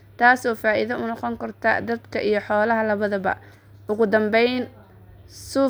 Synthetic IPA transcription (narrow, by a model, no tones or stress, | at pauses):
t̪ʰaːsɔːfaːʔiðɐʊnɑqɔŋkʰɐrt̪ʰɐ̰d̪ɐd̪kʰɐʔijɞħɔːlɐɦɐlɐβɐðɐβɐ̰ | ʔʊɣʊd̪ɐmbɛjn | sʊ